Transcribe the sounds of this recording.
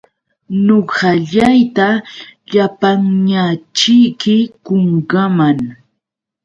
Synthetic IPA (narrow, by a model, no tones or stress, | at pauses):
noɢɑʎajt̪aʎapaŋɲat͡ʃɪjkɪkoŋɢɑmaŋ